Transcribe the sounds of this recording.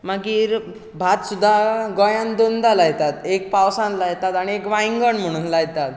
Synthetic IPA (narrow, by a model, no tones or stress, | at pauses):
maɡiːɾ | bʱat̪sud̪ʱːaɡɔjãnd̪ond̪alajt̪at̪ek̚pawsãnlajet̪at̪aɽ̃iekʋaiŋɡəɳm̤əɽ̃unlajt̪at̪